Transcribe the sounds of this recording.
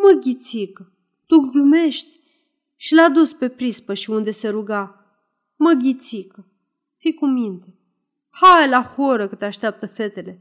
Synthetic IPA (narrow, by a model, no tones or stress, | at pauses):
məɡʲit̪sikə | t̪uɡlume̞ʃt̪ʲ | ʃilad̪uspe̞pɾispəʃiund̪e̞se̞ɾuɡa | məɡʲit̪sikə | fikumint̪e | hajlahoɾəkət̪eaʃt̪eap̚t̪əfe̞t̪e̞le̞